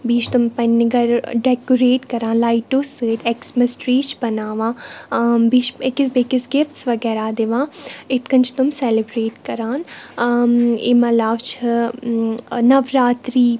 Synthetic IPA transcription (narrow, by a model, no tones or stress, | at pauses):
biːt͡ʃʰt̪ʊmpənːɪɡəɾɖɛːkuɾeːʈkəɾãːnlaːiʈoːset̪ʰɛksmɪsʈɾiːt͡ʃʰbənaːʋãː | biːt͡ʃɪkɪs̬bekɪsɡɪft̪sʋəɡɛːɾaːd̪eʋãːɪt̪kə̃nt͡ʃʰt̪ʊmsɛːlɪbɾeːʈkəɾãːn | ḛːməlaːʋt͡ʃʰ | nəʋɾaːt̪ɾiː